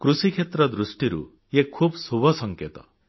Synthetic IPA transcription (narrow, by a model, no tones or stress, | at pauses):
kɾusikʰet̪ɾɔd̪ɾusʈiɾṵ | jekʰːubsubʱɔsʌŋket̪ɔ